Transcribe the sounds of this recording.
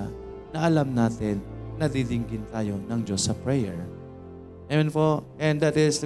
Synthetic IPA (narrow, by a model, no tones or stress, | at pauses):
nɐʔɐlamnaːt̪ɪnːɐd̪id̪ɪŋɡɪnt̪aːjo̞nɐŋd͡ʒosːɐpɹɛjɛ̰ɹ | nɐjonpoʔɛ̃nd̪ɐt̪ɪs